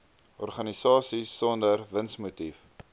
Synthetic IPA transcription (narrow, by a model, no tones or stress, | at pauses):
ɔrχɐnisɑːsisːɔndərvənsmutif